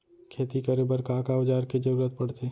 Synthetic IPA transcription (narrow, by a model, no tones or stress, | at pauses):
kʰeːt̪ikɐɾebəɾkaːkaʊd͡ʒaːɾked͡ʒɐɾuːɾət̪̚pɐɽ̤t̪eː